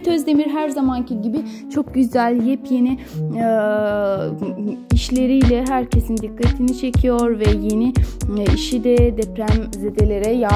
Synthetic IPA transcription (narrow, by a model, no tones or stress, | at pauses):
t̪ʰøzd̪e̞miɾɦæɾzamancʰiɟibit͡ʃʰo̞k̚ɟyzælʲjɛpʰjeni | iʃlʲe̞ɾijlʲɛɦæɾcʰe̞sind̪ikːat̪ʰinit͡ʃʰe̞cʰijo̞ɾvɛjeniiʃid̪ɛd̪ɛpɾæmzed̪elʲe̞ɾɛja